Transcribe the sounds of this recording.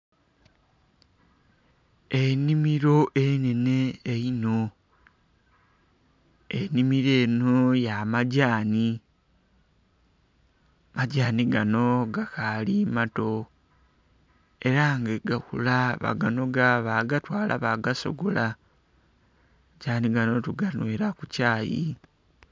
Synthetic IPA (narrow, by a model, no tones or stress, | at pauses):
e̞nimiɾo̞ʔene̞ne̞ːino̞ | enimiɾe̞ːnojamaɟaːni | maɟaːniɡano̞ɡakalimato̞ | e̞ɾaŋɡeɡakulaβa̰ɡano̞ɡaβaɡatwaːlʔa̰βaɡaso̞̰ɡola | ɟaːniɡano̞tuɡanweɾakucaːjḭ